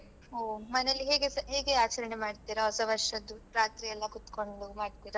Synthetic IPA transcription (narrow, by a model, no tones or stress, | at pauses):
oːmɐnelːiɦeːɡeɦeːɡeaːt͡ʃɐɾɐnemaːɖt̪iɾɐɦɔsɐʋɐɾʂɐd̪ːupɾaːt̪ɾijɛlːɐkut̪koɳɖumaːɖt̪iːɾa